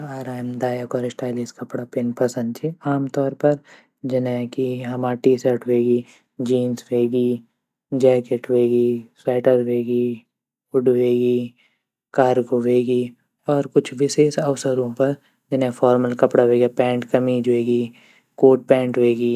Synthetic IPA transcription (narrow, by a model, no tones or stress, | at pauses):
aːɾaːjmd̪aːjəkɔːɾɪsʈaːɪliskɐpɽapeːnpɐsə̃nd̪̚t͡ʃʰiaːmt̪ɔːɾpɐɾ | d͡ʒɪnẽkiɦɐmaːʈiːsəɾʈʰɦeːɡiː | d͡ʒiːnsʋeːɡiː | d͡ʒɛːkeʈɦeːɡiːsaːʈəɾʋeːɡiː | ʊɖʋeːɡiː | kaːɾɡoʋeːɡiː | ɔːɾkʊt͡ʃʰʋɪseːsɐʋsəɾõpɐɾ | d͡ʒɪnẽfʰɔːɾməlkɐpɽaɦeːɡaːpɛ̃ːɳʈkɐmid͡ʒeːɡiː | koːʈ̚pɛ̃ːɳʈɦoeːɡiː